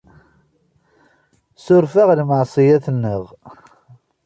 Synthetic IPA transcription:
sʊɾfaʁlməʕsˤijaθnːəʁ

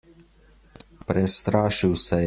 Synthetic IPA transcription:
pɾɛst̪ɾaːʃiwsɛ

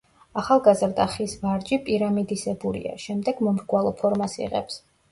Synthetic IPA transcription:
aχalˠɡazɾd̪aχisvaɾd͡ʒipʼiɾamid̪isɛbulḭa̰ʃɛmd̪ɛɡ̥mɔmɾɡwalˠɔpʰɔɾmasḭʁɛ̰ps

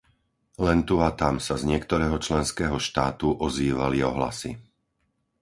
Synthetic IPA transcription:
lɛnt̪uat̪amsazɲɪɛkt̪ɔɾɛːɦɔt͡ʃlɛnskɛːɦɔʃt̪aːt̪uʔɔziːʋaliɔɦla̰si

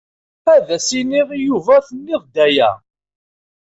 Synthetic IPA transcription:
æðæsiniʁijuvæθənːiʁd̪æjæ̰

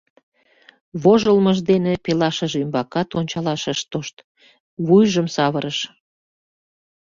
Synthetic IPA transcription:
βoʒəlməʒd̪enepelɑʃəʒymbɑkɑt̪onʲt͡ɕɑlɑʃəʃt̪oʃt̪ | βujʒəmsɑβəɾəʃ

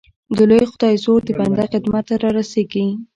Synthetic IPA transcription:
d̪əlojxʊd̪ɑjzoɾd̪əband̪axɪd̪mat̪ːaɾɑɾaseɡi

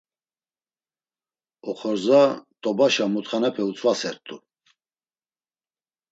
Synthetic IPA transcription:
ɔχɔɾzat̪ʼɔbaʃamut̪χanapʰɛut͡sʰʼvasɛɾt̪ʼu

